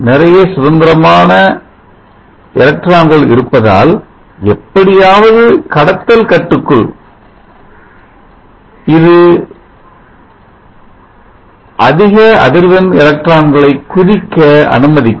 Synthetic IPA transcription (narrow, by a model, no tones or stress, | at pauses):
nɪrɐjɐsʊðɐnd̪ɪɾɐmaːnɐ | ɛlɐk̚ʈɾaːŋɡɐɭɪ̰ɾɯpːɐða̰ːl | ɛpːɐɽɪjaːʋɐðɯkɐɽɐt̪ːɐlkɐʈːɯkːɯɭ | ɪðɯ | ʔɐðɪɣɐɐðɪɾʋɐnɛlɐk̚ʈɾaːŋɡɐɭɐɪkːʊɾɪkːɐɐ̰nɯmɐðɪkː